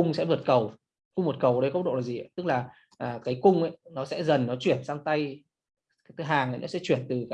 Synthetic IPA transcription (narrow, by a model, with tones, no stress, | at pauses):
ʊ˧ŋ͡msɛ̰˧˥vət̚kə˨˩w | kʊ˧ŋ͡mvə˨˩t̚kə˨˩wɗə˧jkə˦˥ɗo̰˧˨laː˨˩zi˨˩˨jt̪ɨ˦˥k̚laː˨˩ | ʔaː˨˩kaː˨˦jkʊ˧ŋ͡mʔə˧˦jnɔ˨˦sɛ̰˧˥zə˨˩nːɔ˨˦t͡ɕwi˧˩ənsaː˧ŋt̪a˧j | t̪ʰɦaː˨˩ŋə̰˨˦jnɔ̰˨˦sɛ̰˧˥t͡ɕwi˧˩ənt̪ɨ˨˩kː